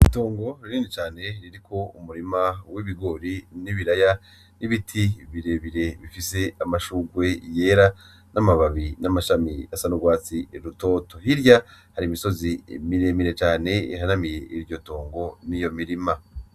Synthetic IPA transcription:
ito̞ːŋɡo̞ɾiniːnit͡ʃaːne̞ɾiɾikʰo̞umuɾimawiβiɡo̞ɾiniβiɾaja | niβitʰiβiɾe̞βiɾe̞βifise̞amaʃuːɡwe̞je̞ːɾa | namaβaβinamaʃamia̰sanuɡwaːt͡siɾuto̞ːto̞hiɾjahaɾimiso̞zimiɾeːmiɾe̞t͡ʃaːne̞ḭhanamije̞iɾɟo̞to̞ːŋɡo̞nijo̞miɾima

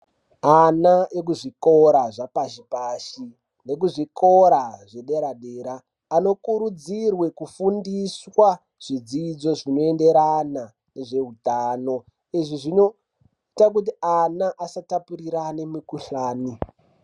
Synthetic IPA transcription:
anaek̬uʐiko̞ɾaʐapaʐipaʃi | ne̞kuʐikʰo̞ɾaʐe̞ɗe̞ɾaɗeːɾaː | no̞kuɾud͡zirwe̞kufundiswa | ʐ̥id͡zid͡zo̞ʐino̞ende̞ɾana | ne̞ʐe̞ɦutaːno̞ | iʐiʐino̞ | itak̬ut̬ianaʔasatapuɾiɾanimikuɬaːni

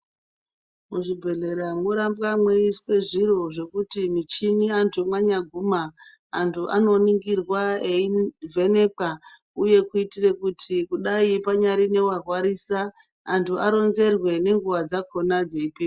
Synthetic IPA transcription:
muʐibʱe̞ɮe̞ɾamoɾambɣamweiswe̞ʐiro̞ʐe̞kutimit͡ʃiniantʰumwaɲaɡʱumaː | ntʰuʔano̞niŋɡirwaeivʱe̞ne̞ka | uje̞kuitire̞kutʰikuɗaipaɲaɾine̞warwaɾiːsaː | ntʰuʔaɾo̞nze̞rwe̞ne̞ŋɡuʋad͡zakʰo̞nad͡zeipiː

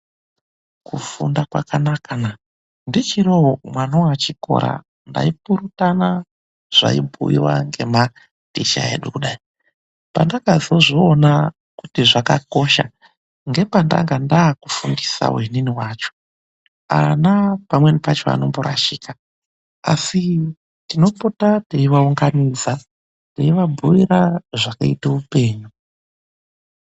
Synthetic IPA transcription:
kufundakwakanakana | ndit͡ʃiɾoomwanowat͡ʃiko̞̰ɾa̰ | nda̰ipuɾutana | ʐ̥a̰ibʱṵḭwa̰ŋɡe̞ma | d̥it͡ʃaḛɗukuɗai | pa̰ndakazoʐoːna | kutiʐakako̞ʃa | ŋɡe̞panda̰ŋɡandaːkufundisa̰weniniwaːt͡ʃo̥ | a̰napamwenipat͡ʃo̞̰a̰no̞̰mboɾa̰ʃiːka | a̰si | tino̞potateiʋauŋɡanid͡za | teiʋabʱujiɾaʐakaitaupe̞ːɲu

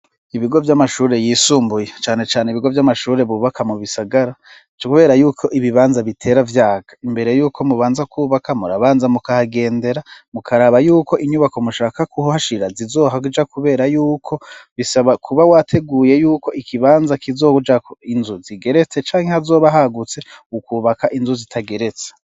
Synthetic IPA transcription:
iβiɡo̞vjamaʃuːɾe̞jiːsuːmbujet͡ʃaːne̞t͡ʃaːneiβiɡo̞vjamaʃuːɾe̞βuːβakʰamuβisaɡaɾa | kuβe̞ːɾajuːkʰo̞ʔiβiβaːnzaβitʰe̞ːɾavjaːɡ̥ḁimbe̞ɾe̞juːkʰo̞muβaːnzakʰuːβakamuɾaβaːnzamukahaɡe̞ːnde̞ɾamukʰaɾaβajuːkʰo̞ʔiɲuβako̞muʃaːkakʰuɦohaʃiɾazizo̞ːɦakud͡ʒakuβe̞ːɾajuːkʰo̞βisaβakʰuβawatʰe̞ɡuːje̞juːko̞ʔikʰiβaːnzakizo̞ːud͡ʒakʰoinzuziɡe̞ɾe̞t͡se̞t͡ʃaːŋhe̞hazo̞ːβaɦaɡut͡se̞ukuːβakaʔinzuzitʰaɡe̞ɾe̞t͡se̥

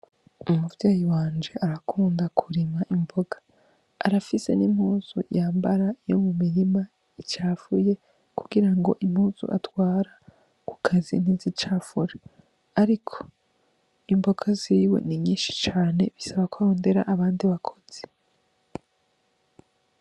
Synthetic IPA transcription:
umuvjaːjiwaːnd͡ʒe̞ʔaɾakʰuːndakʰuɾimaʔimbo̞ɡḁː | ɾafise̞̰nim̥huːz̥ṵjaːmbaɾaijo̞̰mumiɾima | it͡ʃaːfuje̞ | kuɡiɾaŋɡo̞̰ʔimhuːz̥ṵʔatwaːɾa | ku̥kʰazḭnizit͡ʃaːfuɾe | aɾikʰo̥ | imbo̞ɡaziːwe̞̰niɲiːnʃi̥t͡ʃaːne̞̰βisaβakwaɾo̞ːnde̞ɾa̰ʔaβaːndiβakʰo̞̥z̥e

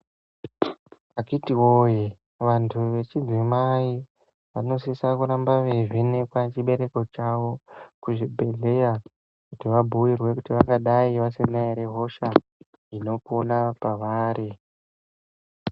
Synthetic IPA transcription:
akitiwoje | ʋantʰuʋe̞t͡ʃid͡zwimai | ʋano̞sisakuɾambaʋeʐinekwat͡ʃiɓe̞ɾe̞ko̞t͡ʃawo̞kuʐibʱe̞ɮe̞ja | kutiʋabʱuwirwe̞kutiʋaŋɡaɗaiʋasenaiɾeɦo̞ʃa | ino̞kuonapaʋaːɾi

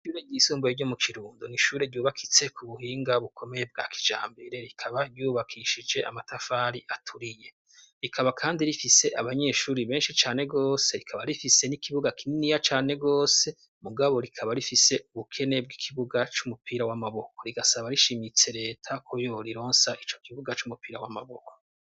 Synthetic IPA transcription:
ʃuːɾeɾɟiːsuːmbojiɟo̞mukʰiɾuːndoniʃuːɾe̞ɾɟuːβakʰi̥t͡se̞kuβuhiːŋɡaβukʰo̞me̞jeb̚ɡa̰ːki̥d͡ʒa̰ːmbeɾe̞ɾikʰaβaɾɟuːβakʰiʃid͡ʒe̞a̰matafaːɾiʔatʰuɾije̞ | ɾikʰaβakʰaːndiɾifise̞ʔaβaɲe̞ːʃuːɾiβe̞ːnʃit͡ʃaːne̞ɡo̞ːse̞ɾikʰaβaɾifisenikʰiβuɡakininijat͡ʃaːne̞ɡo̞ːse̞ | muɡaβo̞ɾikʰaβaɾifise̞uβukʰe̞ne̞b̚ɡikʰiβuɡat͡ʃumupiːɾawamaβokoɾiɡasaβaɾiʃimit͡se̞ɾe̞ːtʰakʰojo̞ɾiɾo̞ːnsaʔit͡ʃo̞kiβuɡat͡ʃumupiːɾawamaβoko̥

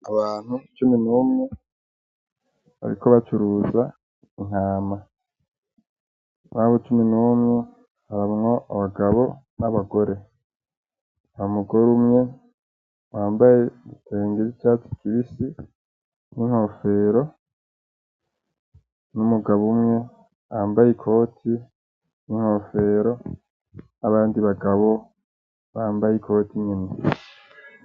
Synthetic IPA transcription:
aβaːn̥hut͡ʃuminuːmŋe | βa̰ɾḭkoβat͡ʃuɾuza | iŋ̥aːma | naːβot͡ʃuminuːmŋe | haɾamŋo̞ʔaβaɡaβo̞ | naβaɡo̞ɾe̞ | awomuɡo̞ɾumŋe̞ | waːmbaje̞teːŋɡiɾit͡ʃat͡si̥kiβisi | niŋho̞fe̞ɾo̞ | numuɡaβumŋe̞ | ambajikʰo̞ːtʰi | niŋ̥ho̞fe̞ːɾo̞ | naβaːndiβaɡaβo̞ | βaːmbajikʰo̞tiɲini

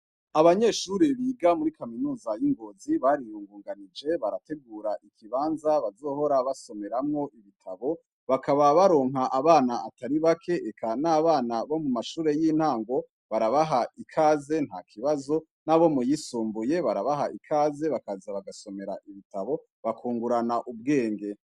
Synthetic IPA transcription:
aβaɲe̞ːʃuːɾeβiːɡamuɾikaminuːzajiŋɡo̞ːziβaɾiɾuːŋɡuːŋɡanid͡ʒe̞βaɾate̞ɡuːɾaʔikʰiβaːnzaβazo̞ːho̞ɾaβaso̞me̞ɾamŋo̞ʔiβitʰaβo̞ | βakʰaβaβaɾo̞ːŋɦaʔaβaːnaataɾiβakʰe̞ʔekʰanaβaːnaβo̞mumaʃuːɾe̞jin̥haːŋɡo̞ | βaɾaβaɦaikʰaːze̞nhakʰiβazo̞ | naβo̞mujisuːmbuje̞βaɾaβaɦaʔikʰaːze̞βakazaβaɡaso̞me̞ɾa̰ʔiβitaβo̞ | βakʰuːŋɡuɾanaʔub̚ɡe̞ːŋɡe̞

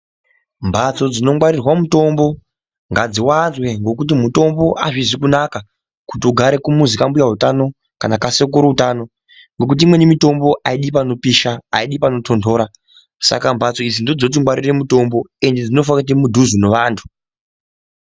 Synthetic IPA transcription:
mbʱat͡so̞d͡zino̞ŋɡwaɾirwamuto̞mbo̞ | ŋɡad͡ziwanzwe̞ŋɡo̞kut̬imuto̞mbo̞ʔaʐiʐikunaka | kutiuɡʱaɾe̞kumuzikambujaɦutano̞ | kanakasek̬uɾuutano | ŋɡo̞k̬ut̬iimwe̞nimito̞mbo̞ʔaiɗipano̞piʃaaiɗipano̞tʰo̞ndʰo̞ːɾa | sa̰kambʱat͡so̞id͡zindo̞d͡zo̞t̬iŋɡwaɾire̞muto̞mbo̞e̞nded͡zino̞f̬akut̬imudʱuzunoʋaːntʰu̥

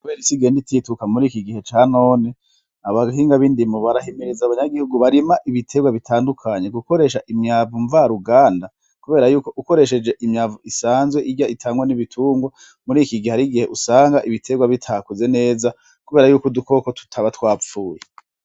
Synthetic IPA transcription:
kuβe̞ːɾisiɡe̞ːnditʰiːtukamuɾiːkiɡihe̞t͡ʃaːno̞ːne | aβaɦiːŋɡaβiːndimoβaɾahemiɾizaβaɲaɡihuɡuβaɾimaʔiβitʰe̞ɡwaβitʰaːndukʰaɲe̞ɡuko̞ɾe̞ʃaʔimɲaːvuɱvaɾuɡaːnda | kuβe̞ːɾajuːko̞ʔuko̞ɾe̞ʃe̞d͡ʒe̞ʔimɲaːvuisaːnzweʔiɟjaʔitʰaːŋɡwaniβitʰuːŋɡwa | muɾiːkiɡieaɾiɡihe̞ʔusaːŋɡaʔiβitʰe̞ɡwaβitʰaːkuze̞ne̞ːza | kuβeːɾajuːkuduko̞kotʰu̥tʰaβatwaːp͡ffuːje

